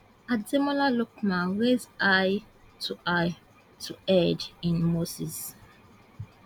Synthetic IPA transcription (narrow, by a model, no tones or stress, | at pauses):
azɛmɔlaluk̚mãɹezaj | tʰuʔaj | tʰuɛdĩnmosis